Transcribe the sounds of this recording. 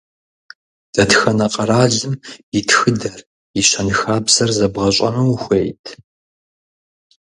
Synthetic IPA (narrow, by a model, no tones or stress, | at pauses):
d̥ɐtxɐnɐqʼɐraːɮɨmjitʰxɨdɐr | jiɕɐnɨxaːbzɐrzɐbʁɐɕʼɐ̰mɨwxʷejtʰ